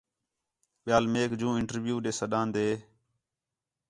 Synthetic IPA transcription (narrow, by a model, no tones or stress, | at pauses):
ɓɪjaːlmeːkd͡ʒũːɪɳʈəɾʋjuːɗeːsəɗãːnd̪eː